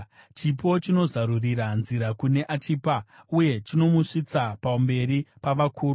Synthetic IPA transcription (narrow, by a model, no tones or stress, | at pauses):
t͡ʃipo̞t͡ʃino̞zaɾuriɾanziɾakune̞ʔat͡ʃiːpauje̞t͡ʃino̞muʂit͡sapambe̞ɾipaʋakʰuːru